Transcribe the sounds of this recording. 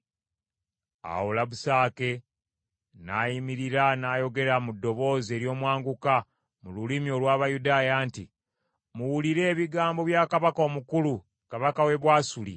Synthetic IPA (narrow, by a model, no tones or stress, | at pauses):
a̰wulaβusaːke̞ | naːjimiɾiɾanaːjo̞ɡe̞ɾamudːo̞βo̞ːze̞ːɾjo̞ːmwaːŋɡuka | mululimjo̞ːlwaːβajudaːjaːnti | muwuliɾe̞ːβiɡaːmbo̞βjaːkaβako̞ːmukulu | kaβakawe̞βwaːsulḭ